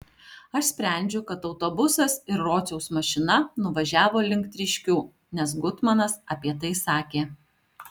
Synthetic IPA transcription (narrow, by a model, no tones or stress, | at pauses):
ɐʃsʲpʲɾʲæˑnʲd͡ʒʲʊkɐt̪ɒʊt̪obʊsɐsɪɾɾoːt̪sʲɛʊsmɐʃʲɪnɐnʊʋɐʒʲæːʋoːlʲɪŋʲkt̪ʲɾʲɪʃʲkʲuː | nʲɛs̬ɡʊt̪mɐnɐsɐpʲiɛt̪ɐɪsɑːkʲeː